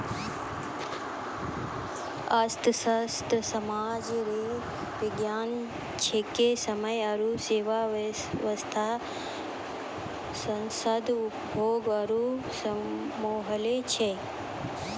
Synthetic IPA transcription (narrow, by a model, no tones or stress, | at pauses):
ɐst̪ʰsɐst̪ʰsɐmaːd͡ʒɾe | ʋiɡjaːn | t͡ʃʰekːesɐmɐjɐɾuseːʋa | ʋɐst̪ʰa | sɐnsɐd̪upboːɡɐɾu | s | moːɦɐlet͡ʃʰe